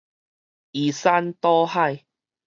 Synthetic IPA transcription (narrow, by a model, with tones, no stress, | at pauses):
i˨˩sa˧nt̪ɔ˦ha˥˧˨j